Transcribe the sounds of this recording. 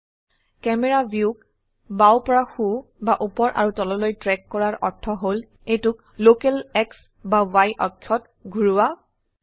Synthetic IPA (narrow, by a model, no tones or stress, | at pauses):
kɛmɛɹabjuk | bawpɔɹaxubaʔupɔɹʔa̰ɹutɔlɔlojtɹɛkːɔɹaɹʔɔɹtʰɔɦol | ejtʊk̚ | lokɛlɛks | bawajʔɔkʰjɔt | ɡʱuɹuwa